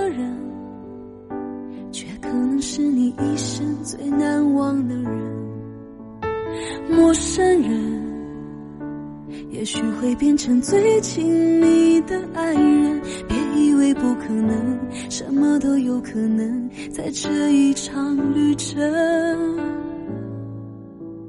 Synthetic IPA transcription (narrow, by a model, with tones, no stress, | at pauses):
ɻə˧˥n | t͡ɕʰɥɛ˥kʰɤ˨˩nɤ˧˥ŋʂɻ̩˥˧ni˨˩i˥˧ʂə˥ŋt͡swe˥˧ɪna˧˥nwɑ˥ŋd̪ə˧ɻə˧˦n | mwɔ˥˧˩ʂə˥nɻə˧˥n | jɛ̰˨˧˥ɕy˨˥xwe˥˧ɪpjɛ˥˧nʈ͡ʂʰɤ˧˥ŋt͡swe˥ɪt͡ɕʰi˧˥ŋni˨˩d̪ə˧ʔa˥˩ɪjɛ˥˧npjɛ˧˥˩i˥˧we˥ɪpu˥˧kʰɤ˨˩nɤ˧˥ŋ | ʂə˧˥nmə˧t̪o˥ʊjo˧ʊkʰɤ˨˩nə˧˥ŋ | t͡sa˥˧ɪʈ͡ʂɤ˥˧i˧˩ʈ͡ʂʰɑ˧ŋly˥˩ʈ͡ʂə˧˦